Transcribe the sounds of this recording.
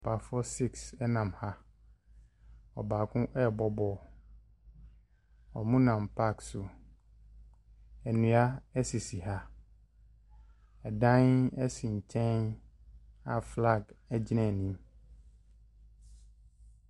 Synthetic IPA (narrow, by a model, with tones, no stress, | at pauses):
pʰa˨fɔ˦si˦ksɛ˦nã˨mha˦ | ɔ̰˨baː˨kʰʊ̃˦ʔɛ˦˨bɔ˦bɔ˨ | ɔ̰˨mũ˦nã˨mpʰa˦ksʊ˨ | ɛ˨nũ˨a˦ɛ˦si˨si˨ɦa˦ | ɛ˨dã˦nɛ˦sɪ̃˨ɲ̩˨t͡ɕʰɛ̃˦n | a˨fla˦˨ɡɛ˦d͡ʑi˦nɛ̃˦˨nĩ˦m